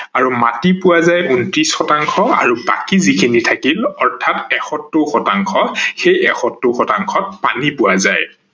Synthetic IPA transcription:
aɹumatipʊwazajuntɹisxɔtaŋxʰɔa̰ɹuba̰kizikʰinitʰakilɔɹtʰatɛxɔtːʊxɔtaŋxʰɔxejɛxɔtːʊxɔtaŋxʰɔt̚panipʊwazaj

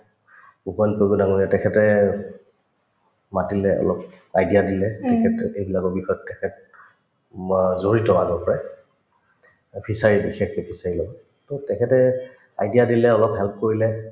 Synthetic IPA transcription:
upɔnpoɡunaŋoɹiatɛkʰɛtɛ | matilɛɔ̰lɔp | ajdijadilɛtɛkʰɛtejbilakɔbixɔjɔtːɛkʰɛt̚ | zoɹitɔaɡɔpɔɹɛ | pʰisaɹibixʰɛkepʰisaɹilɔbɔ | totɛkʰɛtɛ | ajdijadilɛɔlɔpɦɛlp̚koɹilɛ

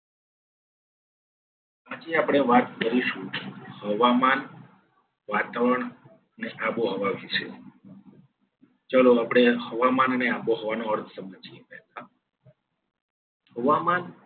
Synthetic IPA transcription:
ad͡ʒiapɽ̃eʋat̪̚kəɾiʃũhəʋaman | ʋat̪aʋəɾəɳ | əneʔaboɦəʋaʋit͡ʃʰḛ | t͡ʃaloapɽ̃ehəʋamanəneaboɦoʋanoəɾt̪ʰəsəmad͡ʒepɛɦla | həʋaman

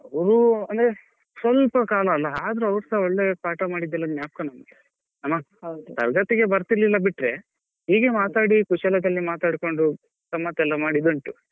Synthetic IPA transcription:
ɐʋɐɾuɐnd̪ɾe | sʋɐlpɐkaːlɐːlːɐaːd̪ɐɾuɐʋɐɾsɐɔɭːe̞paːʈɐmaːɽid̪ːɛlːɐnjaːpɐkɐnɐmɡe | nɐmːɐ | od̪ut̪ɐ̰ɾɡɐt̪iɡe̞bɐɾt̪iɾlilːɐbiʈɾe̞ | ɦiːɡemaːt̪aːɽikuʃɐlɐd̪ɐlːimaːt̪aːɽko̞ɳɖu | t̪ɐmːɐt̪ɛlːɐmaːɽid̪ɐɳʈu

